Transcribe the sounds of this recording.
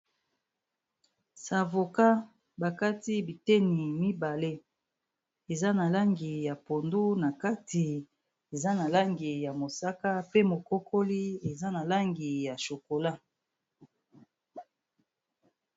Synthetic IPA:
sa˨vo˨ka˦ | ba˨ka˦ti˦bi˨te˦ni˨mi˦ba˨le˦ | e˨za˦na˨la˦ŋɡi˨ja˨po˨ndu˦na˨ka˦ti˨ | e˨za˦na˨la˦ŋɡi˨ja˨mo˨sa˦ka˦pe˦mo˨ko˦kʰo˦li˦e˨za˦na˨la˦ŋɡi˨ja˨ʃo˨ko˨la˦

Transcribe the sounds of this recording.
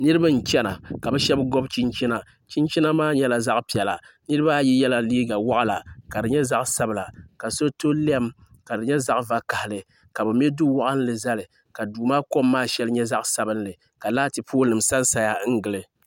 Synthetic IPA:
nɨ˦ɾɨ˦ba˦n̩˨t͡ʃɛ˦na˨ka˨bɨ˦ʃɛ˦bɡɔ˦bt͡ʃi˦nt͡ʃi˦na˦ | t͡ʃi˦nt͡ʃi˦na˦maː˦ɲɛ˦la˨za˦ʔpi˨ɛ˨la˨nɨ˦ɾɨ˦ba˦ji˦jɛ˦la˦liː˦ɡa˨wa˦ʔla˨ka˨dɨ˨ɲɛ˦za˦ʔsa˦bɨ˨la˨ka˨so˦to˦lɛ˦m | ka˨dɨ˨ɲɛ˦za˦ʔva˦ka˨hɪ˨lɨ˨ | ka˨bɛ˨m˦ɛ˦dʊ˦wa˦ʔɨ˦n˦lɨ˨za˦lɨ˨ | ka˨duː˨maː˦ko˦mːaː˦ʃɛ˦lɨ˦ɲɛ˦za˦ʔsa˦bɨ˦nlɨ˨ | ka˨laː˦tɨ˨pʰoː˦nɨ˨msa˦n˦sa˨ja˦ŋ̩˦ɡɨ˨lɨ˨

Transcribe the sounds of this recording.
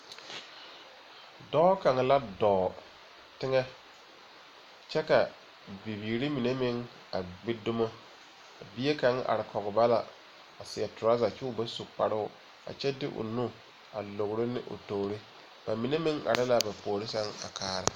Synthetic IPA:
dɔː˦ka˨ŋ˨la˦dɔː˨ | tɪ˦ŋɛ˦ | t͡ʃɛ˦ka˨ | bi˨biː˨ɾi˦mi˨ne˦mɪ˦ŋ | a˨ɡ͡bɪ˦dʊ˦mɔ˦ | a˨bi˦e˦ka˨ŋ˦ʔa̰˨ɾɪ˨kʰɔ˨ɣɪ˨ba˦la˨ | a˨sɪ˨ɛ˨tʊ˨ɾa˦za˨t͡ʃɪ˦ʊ˦ba˦su˨k͡pa˨ɾɪ˦ʊ˨ | a̰˨t͡ʃɛ˦dɪ̰˦ʔʊ̰˨nu˦ | a̰˨lo˨ɣʊ˨ɾɪ˦nɪ̰˦ʔʊ̰˨toː˨ɾɪ˦ | b̥a˨mi˨ne˦mɪ˦ŋa̰˨ɾɪ˦la˨ba˨poː˨ɾɪ˦sa˦ŋa̰˨kʰaː˦ɾɪ˦

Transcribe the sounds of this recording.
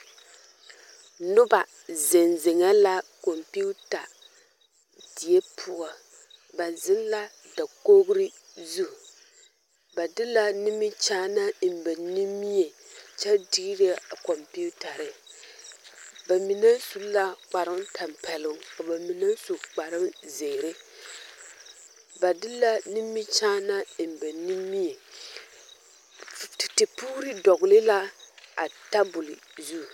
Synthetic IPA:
nʊ˦ba˨ | zɪ˨nzɪ˨ŋa˦la˦ko˨mpi˦u˦ta˨ | di˨ɛ˦pʰʊ˦ʔa˨ | ba˨n˨zɪ˦n˦la˦ | da˨ko˦ɡɾi˦zu˦ | ba˨dɪ˦la˦nɪ˦mi˦t͡ʃaː˦na˦˨m˨bɛ˨ni˦mi˦e˨t͡ʃɛ˦di˦ɾi˦˨ko˨mpi˦u˦ta˨ɾɨ˨ | ba˨mi˨na˦su˦lla˦k͡pa˨ɾɪ˦mtʰa˨mpɛ˨lɪ˦ŋ˦ka˨ba˨mi˨na˦su˨k͡pa˨ɾɨ˦mze˨ɾe˦ | ba˨dɪ˦la˦nɪ˦mːi˦t͡ʃaː˦na˦˨m˨bɛ˨niː˦i˦je˨ | ti˨puː˦ɾɨ˦dɔ˨ɣʊ˨lɪ˦la˦a̰˨ta˦bʊ˨lɪ˨zu˦˨

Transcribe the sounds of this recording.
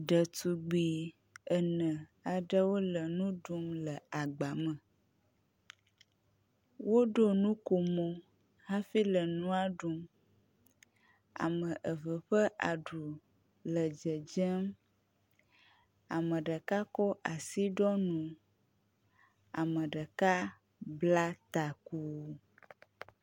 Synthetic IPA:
ɖə˨t̪u˨ɡ͡bi˨ | ə˨nə̃˨a˨ɖə˦wo˦lə˨nũ˦ɖu˦mlə˨a˨ɡ͡ba˨mə̃˨ | wo˦ɖo˦nũ˦ko˨mo˦ | ɦã˦fi˦lə˨nũ˦a˦ɖu˦m | a̰˨mə̃˨ʔə˨və˨ɸə˦ʔa˨ɖu˨ | lə˨d͡ʒə˨d͡ʒə˦m | a˨mə̃˨ɖə˨ka˦kɔ˦ʔa˨si˦ɖɔ˦nũ˨ | a̰˨mə̃˨ɖə˨ka˦ | bla˦t̪a˨ku˦

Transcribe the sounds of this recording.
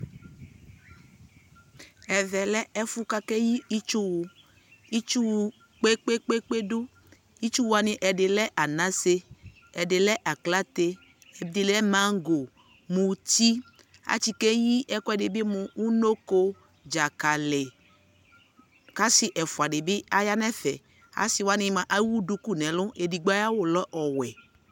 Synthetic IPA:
ɛ˨vɛ˨lɛ˦ɛ˦fu˦ka˦kɛ˦ji˦i˦t͡ʃu˦wu˨ | i˦t͡ʃu˦w | k͡pe˦k͡pe˦k͡pe˦k͡pe˦ɖu˦ | i˦t͡ʃu˦wu˨a˨nĩ˨ʔɛ˨ɖe˨lɛ˦ʔa˨nã˦se˦ | ɛ˨ɖe˨lɛ˦ʔa˨kla˦t̪e˦ | ɛ˨d̪i˨lɛ˦mã˦ŋ˦ɡo˨ | mũ˧ti˦ | a̰˨˦t͡ʃi˧ke˦ji˦ʔɛ˦kɔ˦ɛ˨de˨bi˦mũ˧u˦no˦ko˧ | d͡ʒa˨ka˨lɛ˨ | ka˦si˦ʔɛ˨fu˨a˨de˨bi˦a˦ja˦nɛ˦fɛ˨ | a̰˦si˧wa˦nĩ˧˦mã˨ʔa˦wu˦du˨˦ku˦˨nɛ̃˨˦lʊ̃˦ʔe˨di˨ɡ͡ba˦a˦wo˦˨lɔ˦ʔɔ˨wɛ˨

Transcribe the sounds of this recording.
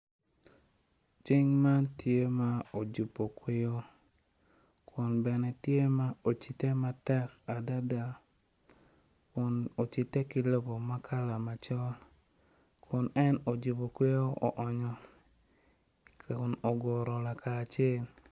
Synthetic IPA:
t͡ʃɪ˦ŋma˦ntje˦ma˦o˨d͡ʒu˨pːo˨kwe˦jo˦ | kʰʊ˨nbɛ˨nɛ˨tje˦ma˦o˨t͡ʃi˨te˦ma˦tɛ˦ka˨da˦da˦ | kʊ˨no˨t͡ʃɪ˨tːe˦kɪ˦lo˦bo˨ma˦kʰa˦la˨ma˨t͡ʃɔ˦l | kʰʊ˨nɛ˦no˨d͡ʒu˨po˨kwe˦jo˦ɔ̰˨ʔɔ˨ɲɔ˨ | kʊ˨no˨ɡɔ˨ɾɔ˨la˨kʰaː˨t͡ʃje˦l

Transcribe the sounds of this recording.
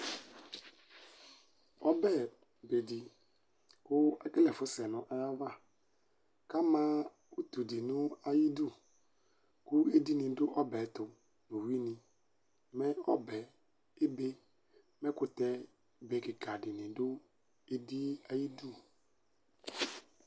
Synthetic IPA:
ɔ˦bɛ˦˨ | be˨dɪ˨ | kʊ˦ɛ˦kɪ˦lɛ˨fʊ˦sɛ˨nʊ̃˦ʔɛ˦ja˦va˦˨ | ka˦mãː˦ | u˦t̪u˨dɪ˨nʊ̃˦a˦ji˦du˦ | kʊ˦e˦di˦nɪ̃˨dʊ˦ʔɔ˦bɛ˨˦t̪ʊ˨ | nʊ̃˨wi˦nɪ̃˨ | mɛ̃˦ɔ˦bɛ˨ | e˦be˦ | mɛ˦kʊ˨t̪ɛ˦ | be˨˦kɪ˨ka˨dɪ˨nɪ̃˨dʊ˦ | e˦di˦a˦ji˦du˦˨

